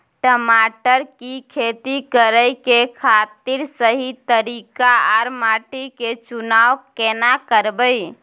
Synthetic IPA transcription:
ʈəmaʈəɾkikʰet̪ikəɾəjkekʰat̪iɾsəɦit̪əɾikaaɾmaʈiket͡ʃunawkenakəɾbəj

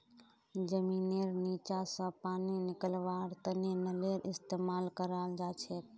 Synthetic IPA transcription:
d͡ʒəmineɾnit͡ʃasə̃paninikəlʋaɾt̪ənenəleɾʔist̪emalkəɾald͡ʒat͡ʃʰɛt̪̚

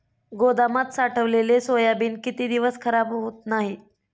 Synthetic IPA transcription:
ɡod̪amat̪saʈʰəʋlelesojabiːnkit̪iːd̪iʋəskʰəɾabɦɦot̪naɦi

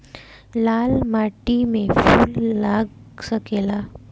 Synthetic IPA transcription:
lalmaʈimefulːaɡ | səkela

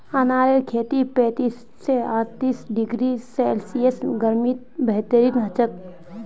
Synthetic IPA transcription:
ənaːɾekʰeːt̪ipɛ̃ːt̪iːsːeaːɾt̪iːsɖɪɡɾiselsiesɡəɾmit̪̚bɛɦt̪əɾiːnɦət͡ʃək̚

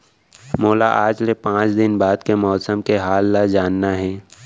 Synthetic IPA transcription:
moːlaʔaːd͡ʒlepãːt͡ʃd̪ɪnbaːd̪kemɔːsəmkeɦaːlːad͡ʒaːnːaɦɛ̃ː

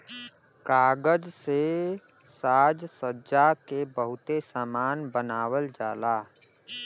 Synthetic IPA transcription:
kaːɡəd͡ʒse | saːd͡ʒsəd͡ʒakebəɦʊt̪esaːmaːnbənaːwəld͡ʒaːlaː

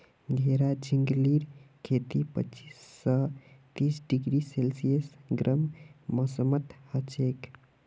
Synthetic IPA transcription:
ɡʱeɾad͡ʒiŋɡliɾkʰet̪ipə̰t͡ʃisːət̪isɖiɡɾiselsijəsɡɾʔəmmɔsəmət̪hət͡ʃek

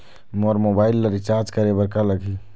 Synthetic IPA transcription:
moɾmobailːəɾit͡ʃaɾd͡ʒkəɾebəɾkaləɡʱi

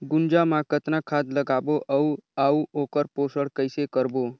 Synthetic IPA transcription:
ɡʊnd͡ʒamãkət̪nakʰad̪ləɡaboʔəuauokəɾposəɽkəjsekəɾbo

